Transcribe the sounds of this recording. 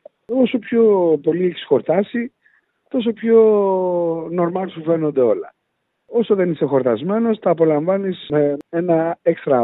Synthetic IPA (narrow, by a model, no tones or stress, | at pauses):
oso̞pço̞po̞lieçi̥sxo̞ɾt̪ɐsi | t̪o̞s̬o̞pço̞ | no̞ɾmɐlsufe̞no̞nd̪e̞o̞lɐ̰ | o̞soðe̞nisexo̞ɾt̪ɐzme̞no̞st̪ɐːpo̞lɐɱvɐnismeenɐekst̪ɾɐ